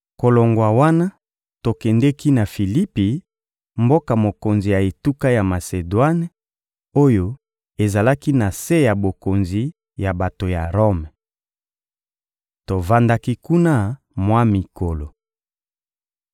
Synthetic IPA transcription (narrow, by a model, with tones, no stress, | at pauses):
ko˨lo˨ŋɡwa˨wa˦na˦ | to˨kɛ˨ndɛ˦ki˦na˨fi˨li˦pi˨ | mbo˦ka˨mo˨ko˨nzi˨ja˨e˨tu˦ka˦ja˨ma˨se˨dwa˦n˦ | o˦jo˦ | e˨za˨la˦ki˦na˨se˦ja˨bo˨ko˨nzi˨ | ja˨ba˨to˨ja˨ʁo˦m | to˨va˦nda˦ki˦ku˦na˦ | mwa˦mi˨ko˨lo˨